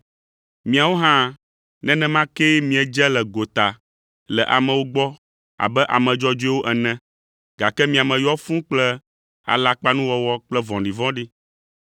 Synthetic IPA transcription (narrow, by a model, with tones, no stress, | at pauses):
mĩ˨a˨wo˦ɦã˦ | nɛ̃˦nɛ̃˦mã˦kɛ˦mĩ˦ɛ˨d͡ʒɛ˦lɛ˨ɡo˨t̪a˨ | lɛ˨ʔa˨mɛ̃˨wo˦ɡ͡bɔ˦ | a̰˨bɛ˦ʔa̰˨mɛ̃˨d͡ʒɔ˦d͡ʒo˦i˦wo˦ʔɛ˨nɛ̃˦ | ɡa˨kɛ˦mĩ˦a˨mɛ̃˨jɔ˦fũ˦k͡plɛ˦ | a̰˨la˨k͡pa˦nũ˦wɔ˦wɔ˦k͡plɛ˦vɔ̃˨ɖi˨vɔ̃˦ɖi˦